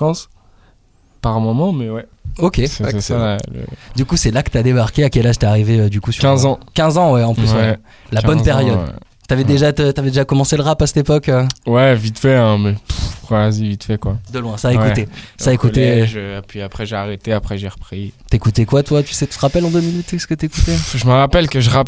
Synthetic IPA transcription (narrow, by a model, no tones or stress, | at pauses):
pɑ̃s | paʁɛ̃mɔmɑ̃mɛwɛ | okʲeɛsalə̰d̪ykusɛlakət̪yad̪ebaʁkʲeakʲɛlaʒt̪ɛaʁiveød̪ykusykɛ̃zɑ̃kʲɛ̃zɑ̃wɛɑ̃plyswwɛ | labɔnpɛʁjɔd̪ | t̪yavɛd̪eʒat̪ət̪yavɛd̪eʒakɔmɑ̃seləʁapasɛ̥t̪epɔkøwɛvit̪fɛɛ̃mɛpukχwazivit̪fɛkwad̪əlwɛ̃saewkut̪esaekut̪eʒəpɥiapχɛʒeaʁet̪eapχɛʒeʁəpχit̪yekut̪ekwat̪wat̪y̥sɛt̪y̥t̪əʁapɛlɑ̃d̪øminyt̪ɛsə̥kət̪yekut̪eʒəməʁapɛlkəʒəʁap